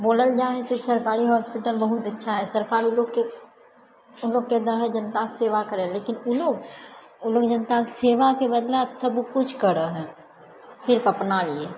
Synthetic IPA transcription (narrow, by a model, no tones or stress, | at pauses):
boːləld͡ʒaːɦesesɐɾkaːɾiɦɔːspɪʈəlbɐɦʊt̪ɐtːʃʰaɦɛsɐɾkaːɾloɡke | ʊnloːɡked̪əɦəd͡ʒɐnt̪akseːʋakəɾẽleːkɪnʊloːɡ | ʊloːɡd͡ʒɐnt̪akseːʋakebəd̪laːpsɐbkʊt͡ʃʰkəɾəɦɛ̃ː | sɪɾfɐpnalie